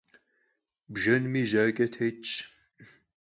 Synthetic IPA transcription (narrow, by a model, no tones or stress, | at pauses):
bʒɐnmiːʒaːkʼɐtʰet͡ʃʼ